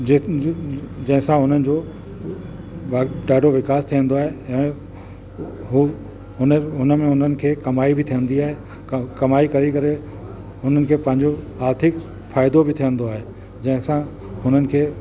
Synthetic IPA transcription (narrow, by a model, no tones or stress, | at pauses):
d͡ʑɐ̃ɦɪ̃sãɦʊn̤ənɪ̆d͡ʑoː | ɖaːɖʱoʋɪkaːst̪ʰijə̃nd̪oaːɦeɛ̃ː | ɦu | ɦʊnəɦʊnə̆mẽʊn̤ənɪ̆kʰeːkɐmaːibɪt̪ʰijə̃nd̪iaːɦe | kɐmaːikɐɾikɐɾe | ɦʊnənɪ̆kʰeːpɐ̃ɦɪ̃ɲd͡ʑo | aːɾt̪ʰɪk | faːɪd̪obʱɪt̪ʰijə̃nd̪oaːɦe | d͡ʑɐ̃ɦɪ̃sã | ɦʊn̤ənɪ̆kʰeː